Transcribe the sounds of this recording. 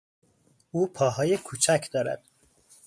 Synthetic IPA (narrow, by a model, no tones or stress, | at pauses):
uːpʰɒːɦɒːjekʰuːt͡ʃʰæcʰd̪ɒːɾæ̰d̪̥